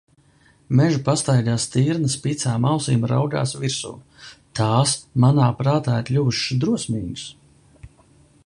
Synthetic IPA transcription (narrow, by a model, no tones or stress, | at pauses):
mɛʒupast̪ajd̪ʲaːst̪iːɾnəspit̪saːmawsiːmɾa̰wɡa̰ːsviɾsṵː | t̪aːsmanaːpɾaːt̪aːiɾlʲuvuʃd̪ɾuɔsmiːɡs